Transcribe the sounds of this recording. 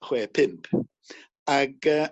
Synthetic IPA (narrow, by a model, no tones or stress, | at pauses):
χwɛːpʰɪmpʰ | aɡəː